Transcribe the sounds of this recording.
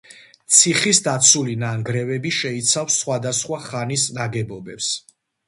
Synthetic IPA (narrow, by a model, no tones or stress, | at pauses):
t̪sʰiχisd̪at̪sʰulinaŋɡɾɛvɛbiʃɛit̪sʰafsːχwad̪asχwaχanisnaɡɛbɔbɛps